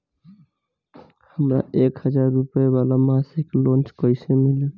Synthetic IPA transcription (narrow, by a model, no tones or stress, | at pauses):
həmɾa̰ekhəd͡ʒaɾːupebalamasiklont͡ʃkɔjsemile